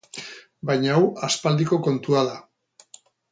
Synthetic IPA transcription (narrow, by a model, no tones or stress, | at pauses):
bajɲaawaspald̪iko̞ko̞nt̪uaða